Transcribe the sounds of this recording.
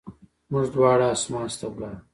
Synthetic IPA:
muʐd̪wɑːɽaːsmaːnst̪ɐwɡaː

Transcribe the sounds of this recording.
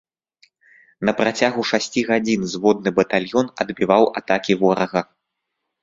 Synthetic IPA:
nɐpɾat͡sʲaɣuʂasʲt͡sʲiɣad͡zʲinzvɔd̪̚nɨbɐt̪alʲjɔnɐd̪bʲivawat̪akʲivɔɾɐɣɐ

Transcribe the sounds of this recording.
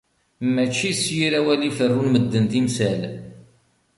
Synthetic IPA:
mːæt͡ʃːisjiɾæwælifərːunməd̪ːənt̪imsæl

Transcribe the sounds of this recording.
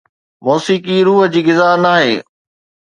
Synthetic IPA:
mɔːsiːkiɾuːɦd͡ʑiːɡɪzaːɦnaːɦḛː

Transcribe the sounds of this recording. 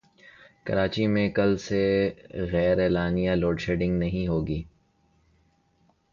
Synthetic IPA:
kɐ̰ɾaːt͡ʃimẽkɐlseɣɛːɾɛːlaːnijaloːɖʃeːɖɪ̃ŋɡnɐɦĩɦoːɡiː

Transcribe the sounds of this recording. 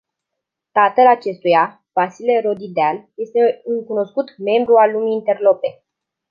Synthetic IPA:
t̪at̪əlat͡ʃe̞st̪uja | vasile̞ɾo̞d̪id̪ealje̞st̪e̞ɨŋkuno̞skut̪me̞mbɾualːumiːnt̪e̞rlo̞pe̞

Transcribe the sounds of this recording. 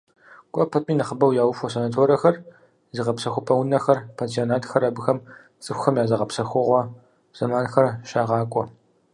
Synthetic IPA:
kʷʼɔpʰɐpʼiːnɐχəbɐwjaːwʊfʷɔsɐnaːtʰoːɾɐxɐr | zɨʁɐpsɐxʷʊpʼɐwʊnɐxɐrpʰaːnsionaːtʰxɐɾɐbɨxɐm | t͡sʼɨxʷxɐmjaːzɐʁɐpsɐxʷʊʁʷɔ | z̥ɐmaːnxɐrʃaːʁɑːkʷʼɔ

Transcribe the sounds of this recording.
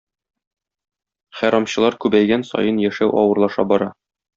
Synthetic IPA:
χæɾɑmɕɤ̆lˠɑɾkʉbæjɡænsɒ̰jɤnjæʃæwʔɒwɤ̆ɾlˠɑʃɑ̰bɒɾɑ

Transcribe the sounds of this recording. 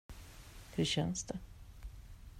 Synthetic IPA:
hɵɾɕɛnsd̪ɛ

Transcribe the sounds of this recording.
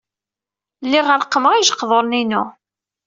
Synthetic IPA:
lːiʁəɾqːəməʁiʒəqːðˤoɾˤninʊ

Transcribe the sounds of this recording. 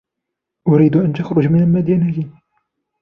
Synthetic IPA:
ʔʊɾiːd̪ʔant̪axɾʊd͡ʒmɪnalmad̪anajin

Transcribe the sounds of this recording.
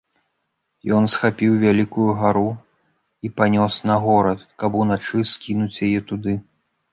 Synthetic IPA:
jɔnsxapʲiwvʲalʲikujuɣaɾu | ipanʲɔsnɐɣɔɾɐt̪kɐpunat͡ʂɨskʲinut͡sʲjajɛt̪ud̪ɨ

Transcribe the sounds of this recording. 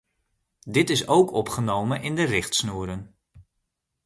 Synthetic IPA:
dɪtɪsowkɔpχənowmənʔɪndərɪχtsnuːɾən

